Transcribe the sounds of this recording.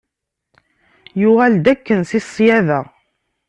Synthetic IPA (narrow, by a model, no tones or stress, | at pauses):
juʁæld̪ækːənsisˤːjævæ